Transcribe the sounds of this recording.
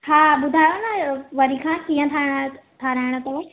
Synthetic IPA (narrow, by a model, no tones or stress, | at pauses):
haːɓʊd̪ʱaːjonɐʋɐɾikʰãkiə̃t̪ʰaɽ̃t̪ʰaɾaːɪɽ̃ət̪ɐe